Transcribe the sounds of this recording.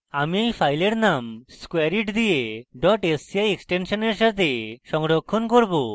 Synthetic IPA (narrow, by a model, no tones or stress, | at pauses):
amiejpʰajleɾnamskwaɾiʈd̪ijeɖɔʈesajeksʈensɔneɾsaɾt̪eʃɔŋɖɔkʰːɔnkɔɾbo